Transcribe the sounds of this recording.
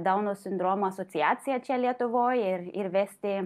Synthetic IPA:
d̪ɐʊnoːsʲɪnd̪ɾoːmuɐsɔːt̪sʲɪjaːt̪sʲɪjɛt͡ʃʲɛlʲiɛt̪ʊʋoːjɪɾɪɾʋʲæːsʲt̪ʲɪ

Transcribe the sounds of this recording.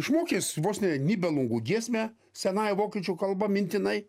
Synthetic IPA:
ɪʃmoːkʲeːsʲʋoːsʲnʲɛnʲiːbʲɛlˠʊŋɡuːɡʲiɛsʲmʲæ | sʲɛnɑːjʋoːkʲiːt͡ʃʲuːkɐlˠbɐmʲɪnʲt̪ʲɪnɐɪ

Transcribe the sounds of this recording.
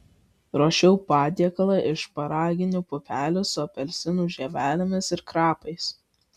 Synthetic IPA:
ɾoːʃʲɛʊpɑːd̪ʲiɛkɐlˠɑʔɪʃpɐɾɑːɡʲɪnʲuːpʊpʲæːlʲʊsʊɐpʲɛlʲsʲɪnuːʒʲɛʋʲæːlʲɪmʲɪsɪɾkɾɑːpɐɪs

